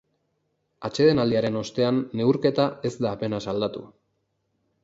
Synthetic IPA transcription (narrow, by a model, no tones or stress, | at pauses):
at͡ʃe̞ð̞e̞nald̪iaɾe̞no̞st̪e̞anːe̞uɾke̞t̪ae̞zd̪aːpe̞nasald̪at̪ṵ